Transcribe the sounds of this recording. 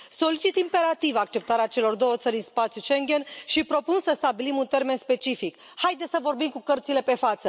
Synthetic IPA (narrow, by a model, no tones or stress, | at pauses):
so̞lit͡ʃit̪impe̞ɾat̪ivakt͡ʃe̞p̚t̪aɾeat͡ʃe̞lo̞rd̪o̞wət̪səɾʲinspat̪sjuʃeŋɡʲe̞nʃipɾo̞punsəst̪abilimunt̪e̞rme̞nspe̞t͡ʃifik | hajd̪esəvo̞rbimkukərt̪sile̞pe̞fat̪sə